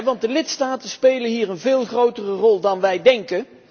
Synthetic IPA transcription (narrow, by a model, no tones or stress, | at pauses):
ʋɑnt̚dəlɪtstaːtəspejlənɦiːrənvɪːlˠχrowtərərɔlˠdɑnʋɛjdɛŋkə